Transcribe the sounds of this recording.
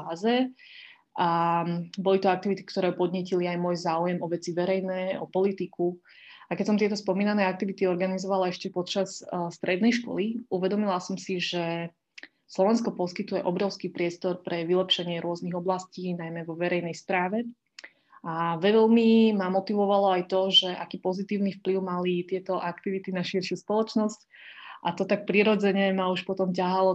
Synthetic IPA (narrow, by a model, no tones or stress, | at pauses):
aːzɛ | bɔlit̪ɔak̚t̪iʋit̪i̥kt̪ɔɾɛːpɔd̪ɲɪɛciliajmʊɔjzaːujɛmɔʋɛt͡siʋɛɾɛjnɛːɔpɔlit̪iku | akɛcsɔmt̪ɪɛt̪ɔspɔmiːnanɛːak̚t̪iʋit̪iɔɾɡanizɔʋalaɛʃcɛpɔt͡ʃasst̪ɾɛd̪̚nɛjʃkɔ̰liʔuʋɛd̪ɔmilasɔmsiʒɛ | slɔʋɛnskɔpɔskit̪ujɛʔɔbɾɔʊskipɾɪɛst̪ɔɾpɾɛʋilɛpʃɛɲɪɛɾʊɔzniɣɔblasciːnajmɛʋɔʋɛɾɛjnɛjsp̪ɾaːʋɛ | aʋɛlmimamɔt̪iʋɔʋalɔajt̪ɔʒɛʔakiːpɔzit̪iːʊnifpliʊmalit̪ɪɛt̪ɔʔakt̪iʋit̪inaʃiɾʃɪuspɔlɔt͡ʃnɔsc | ʔat̪ɔt̪ak̚pɾiɾɔd͡zɛɲɛmauʃpɔt̪ɔmcaɦalɔ